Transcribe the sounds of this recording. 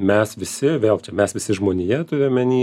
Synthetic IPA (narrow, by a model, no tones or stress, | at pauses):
mʲɛsʋʲɪsʲɪʋʲeːlˠt͡ʃʲɛmʲɛsʋʲɪsʲɪʒmoːnʲɪjɛt̪ʊɾʲɪmʲɛnʲiː